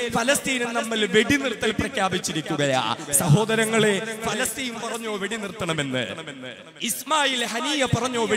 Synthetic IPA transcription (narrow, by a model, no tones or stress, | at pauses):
fɐlɐst̪iːnunnɐmːɐlʋe̞ɽinirt̪ːɐlprɐkʰːjaːbit͡ɕːiɾikʲːuɣɐja̰ːsɐɦo̞ːd̪ɐɾɐŋːɐɭe̞fɐlɐst̪ijumpɐrɐɲːo̞ːʋe̞ɽinirt̪ːɐɳɐme̞nːɨ̰ | ismaːjilhɐniːjɐpɐrɐɲːoːʋe